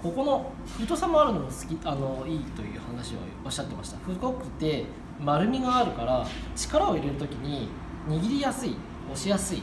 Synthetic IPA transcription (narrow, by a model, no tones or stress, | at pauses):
ko̞ko̞no̞ | ɸɯ̟t̪o̞samoaɾɯ̟no̞ɡasɨ̥kʲiano̞iːt̪o̞jɯ̟ːhanaɕio̰ | oɕːat̪ːe̞ma̰ɕi̥t̪aɸɯ̟ɡo̞kːɯ̟t̪ːe̞ | maɾɯ̟mʲiɡaːɾɯ̟kaɾat͡ɕi̥kaɾao̞iɾe̞ɾɯ̟t̪o̞kʲiɲ̟i | ɲ̟iɡʲiɾʲijasɨḭ | o̞ɕijasɨḭ